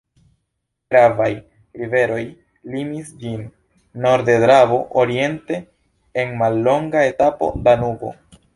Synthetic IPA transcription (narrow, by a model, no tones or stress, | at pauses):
ɡɾavaj | ɾive̞ɾo̞j | limisd͡ʒinː | o̞ɾde̞dɾavo̞ʔoɾie̞nte̞ | enmalːo̞ŋɡae̞tapo̞̰danuɡo̰